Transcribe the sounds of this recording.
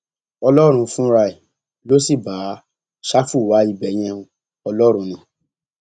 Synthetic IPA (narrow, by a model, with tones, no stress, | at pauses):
ɔ˧lɔ˦ɾ̃ũ˧fũ˦ɾa˧i˨ | lo˦si˦˨baː˨˦ | ʃa˦fu˦˨wa˨˦i˧bɛ˨j̃ɛ̃˧ũ˧ | ɔ˧lɔ˦ɾ̃ũ˧nĩ˧˨